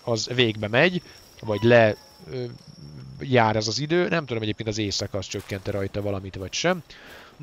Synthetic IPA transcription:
ɒzveːɡbɛmɛɟ | vɒɟlɛ | jaːɾɛzɒzid̪øːnɛmt̪ud̪omɛɟeːpkeːnt̪ɒzeːsɒkɒst͡ʃø̞kːɛnt̪ɛɾɒjt̪ɒvɒlɒmit̪ʋɒcʃɛm

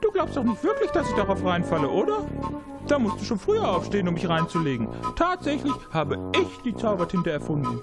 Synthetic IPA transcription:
d̥uːɡlaʊpstaʊxnɪçtv̥ɪɐklɪçd̥asɪçd̥aʁaʊfʁaɪnfaləʔoːdɐ | d̥aːmʊstd̥uːʃoːnfʁ̥yːɐʔaʊfʃteːənʊmdɪçʁaɪnt͡suleːɡŋ̩tʰaːtz̥ɛçlɪçhaːbəɪçd̥iːt͡saʊbɐthɪntɐɛɐfʊndn̩

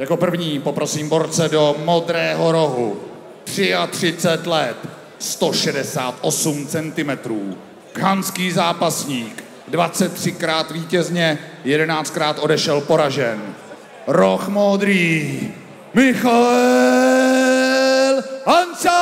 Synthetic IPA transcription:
jako̞pr̩vɲiːpo̞pɾo̞siːmbo̞ɾt͡sɛdo̞mo̞d̪ɾɛːɦo̞ɾo̞ɦṵ | t̪r̥ɪat̪r̥ɪt͡sɛt̪lɛt̪ | st̪o̞ʃɛdɛsaːt̪ʔo̞sumt͡sɛnt̪ɪmɛt̪ɾuː | ɡɦanskiːzaːpasɲiːk | dvat͡sɛt̪ːr̥ɪkɾaːt̪viːcɛzɲɛjɛdɛnaːt͡st̪kɾaːt̪ʔo̞dɛʃɛlpo̞ɾaʒɛn | ɾoxmod̪ɾiː | mɪxa | lansa

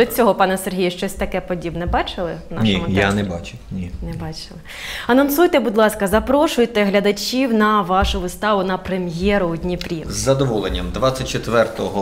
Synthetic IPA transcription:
d̪ɔt͡sʲɔɦɔpɑnɛserɦijʊʃt͡ʃɔsʲt̪ɐkɛpɔdʲibnɛbɑt͡ʃɪlˠɪ̰ʋnɑnʲʃʲimʊjanɛbɑt͡ʃʊnʲinɛbɑt͡ʃɪlˠɪ | ɐnɐnsujt̪ɛbud̪lˠɑskɐzɐpɾɔʃʊjt̪ɛɦlʲɐd̪ɐt͡ʃʲiwnɐʋɑʃʊʋɪst̪ɑʋʊnɐpɾemjɛɾʊɔd̪ʲnʲipɾʲizzːɐd̪ɔʋɔlˠenʲːɐmd̪ʋɑt͡sʲːɐt̚ʲt͡ʃet̪ʋɛrt̪ɔɦɔ

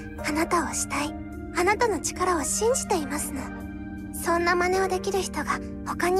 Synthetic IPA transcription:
anat̪ao̞ɕi̥t̪ai | anat̪ano̞t͡ɕi̥kaɾao̞ɕĩɲ̟d͡ʑi̥t̪e̞imasɨno̞ | sõ̞nːamane̞o̞d̪e̞kʲiɾɯ̟çi̥t̪o̞ɡa | ho̞kaɲ̟i

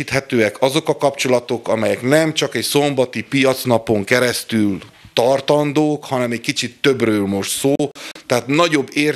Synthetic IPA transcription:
it̪hɛt̪øːɛkɒzo̞kɒkɒpt͡ʃo̞lɒt̪o̞kɒmɛjɛknɛmt͡ʃɒkɛcso̞mbɒt̪ipijɒt̪snɒpoŋkɛɾɛst̪ylt̪ɒrt̪ɒnd̪oːkhɒnɛmɛckit͡ʃit̪ːø̞brøːlmo̞ʃt̪soːt̪ɛɦaːt̪nɒɟo̞bːeːr

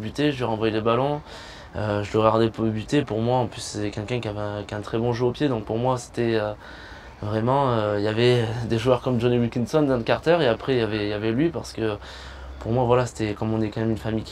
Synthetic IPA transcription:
byt̪eʒəlɥiʁɑ̃vwajeləbalɔ̃ | øʒələɡaʁd̪ɛpbyt̪epuʁmwaɑ̃plysset̪ɛkʲɛlkʲɛ̃kʲiavɛɛ̃kʲaɛ̃t̪χɛbɔ̃ʒøopjed̪ɔ̃k̚puʁmwase̥t̪ɛø | vʁɛmɑ̃øiljavɛd̪eʒuœʁkɔmd͡ʒɔniwilkʲinsɔnd̪ɑ̃d̪əkaʁt̪ɛʁeapχɛjavɛijavɛlɥipaʁsə̥kə | puʁmwavwalase̥t̪ɛkɔmɔ̃nɛkɑ̃mɛmynfamijkʲ

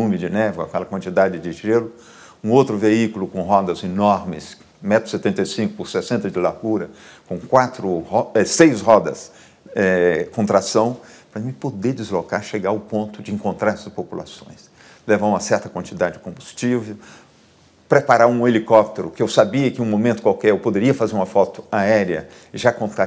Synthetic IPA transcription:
nũmɪd͡ʒɪnɛvʊa̰kɛlɐkwɐ̃nt͡ʃid̪ad͡ʒɪd͡ʒɪʒelʊ | ũowt̪ɾʊveikulʊkõɦɔd̪ɐzinɔɾmɪ̰s | mɛt̪ɾʊ̥set̪ẽnt̪ejsĩkʊpʊɾsesẽnt̪ɐd͡ʒɪlaɾɡuɾɐkõkwat̪ɾʊhɔɛsejshɔd̪ɐs | ɛkõnt̪ɾasɐ̃w̃pɾɐmɪpod̪ed͡ʒɪzlokaɾʃeɡaɾɐʊpõnt̪ʊd͡ʒɪẽŋkõnt̪ɾaɾɛsɐspopula̰sõj̃s | levaũmɐsɛɾt̪ɐkwɐ̃nt͡ʃid̪ad͡ʒɪd͡ʒɪkõbust͡ʃivew | pɾepaɾaɾũelikɔp̚t̪eɾʊkɪewsabiɐkɪũmõmẽnt̪ʊ̥kwawkɛɾewpod̪eɾiɐfazeɾũmɐfɔt̪ʊ̥aɛɾjɐ̰ | ɪʒakõt̪a

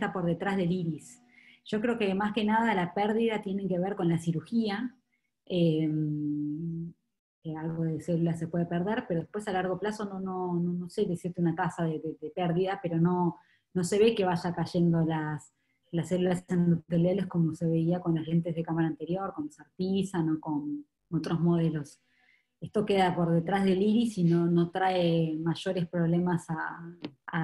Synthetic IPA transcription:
t̪apo̞ɾðe̞t̪ɾazðeliɾis | ʒ̥o̞kɾeokemaske̞naðalapɛɾðiðat̪jene̞ke̞βeɾko̞nlasiɾuxia | em | kealɣo̞ðeselulas̬e̞pwe̞ðepeɾð̞eɾpeɾo̞ðepwesalaɾɣ̞o̞plaso̞nonononose̞ðesiɾt̪eunakasaðeðeðepɛɾðiðapeɾo̞no̞ | no̞se̞βe̞ke̞βaʒakaʒe̞nd̪o̞las | lasːelulasend̪ot̪elelesko̞mo̞seβe̞iako̞nlasle̞nt̪e̞zð̞ekamaɾaːnt̪e̞ɾjo̞ɾko̞nasaɾt̪isano̞ko̞n | ot̪ɾo̞zmo̞ð̞e̞lo̞s | est̪o̞ke̞ðapo̞ɾðe̞t̪ɾazðe̞liɾisino̞no̞t̪ɾaemaʒ̥o̞ɾe̞spɾo̞βlemasaː

